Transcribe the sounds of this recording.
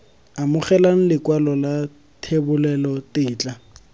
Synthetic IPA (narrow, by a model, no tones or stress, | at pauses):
amʊχɛlaŋ̩lɪkwalɔla | tʰebʊlɛlɔtɪːt͡ɬʼa